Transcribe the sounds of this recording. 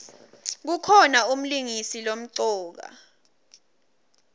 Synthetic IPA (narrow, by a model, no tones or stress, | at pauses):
k̬ukʰɔnaum̩liŋisilom̩ǀɔːk̬a̰